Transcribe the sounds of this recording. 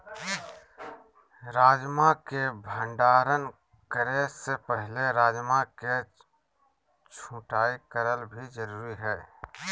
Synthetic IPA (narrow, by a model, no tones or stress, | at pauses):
ɾaːd͡ʒmakebʱə̃ɳɖaːɾən | kəɾesepəɦleɾaːd͡ʒmake | t͡ʃʰũːʈaːikəɾəlbʱid͡ʒəɾuːɾiɦɛː